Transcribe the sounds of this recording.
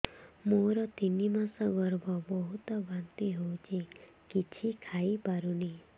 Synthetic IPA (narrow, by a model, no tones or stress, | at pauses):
moɾɔt̪inimãsɔ̃ʋəɾbɔ̃bɔɦut̪ʋãnt̪iɦowt͡ʃi | kit͡ʃʰikʰaipaɾuni